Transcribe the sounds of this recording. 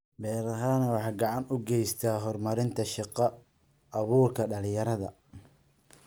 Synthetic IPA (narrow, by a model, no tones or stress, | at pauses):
bɛːɾɐɦaːnɐwɑħɑːɡɑʕɑnʊɡɛjst̪ʰaːɦɔrmɐɾɪnt̪ʰɐʃɪqɐː | βuːrkʰɐɖɐlɪjɐɾɐðɐ